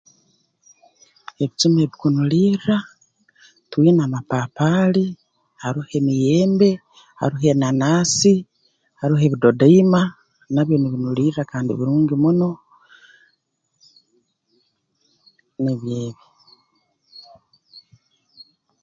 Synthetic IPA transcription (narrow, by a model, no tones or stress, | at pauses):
e̞βit͡ʃimeβikunuliɾɾa | twiːnaːmapaːpaːli | haɾihe̞mije̞ːmbe̞ | ha̰ɾiɦe̞nanaːsi | haɾiɦe̞βido̞daima | naβjo̞niβinuliːɾɾakaːndḭβiɾuːŋɡimuno̞ | niβjeːβi